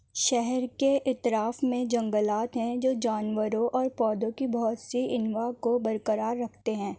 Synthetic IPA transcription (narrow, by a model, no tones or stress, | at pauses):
ʃɛɦɛɾkeʔɪt̪ɾaːfmẽd͡ʒɐ̃ŋɡəlaːt̪ɦɛ̃d͡ʒoːd͡ʒaːnʋəɾõʔɔːɾpɔːd̪õkibɔɦʊt̪siɪnʋakobɐɾkəɾaːɾːɐkʰt̪eɦɛ̃ː